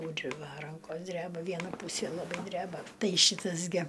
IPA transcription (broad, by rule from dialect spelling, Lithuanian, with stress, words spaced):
ˈtuːrʲɪ ˈʋɐ ˈrɐŋkoːs ˈdʲrʲæːbɐ ˈʋʲiɛnɐ ˈpuːsʲeː lˠɐˈbɐɪ ˈdʲrʲæːbɐ ˈtɐɪ ˈʃʲiːtɐs ɡʲɪ